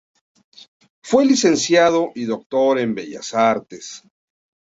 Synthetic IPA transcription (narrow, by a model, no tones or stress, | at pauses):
fwe̞lise̞nsjaðoʔiðo̞k̚t̪o̞ɾe̞mbeʝa̰saɾt̪es